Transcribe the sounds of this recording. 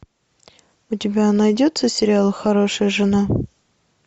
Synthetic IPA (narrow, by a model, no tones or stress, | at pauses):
ʊtʲɪbʲanɐjdʲot̪səsʲɪɾʲɪalˠxɐɾo̞ʂəjəʐɨna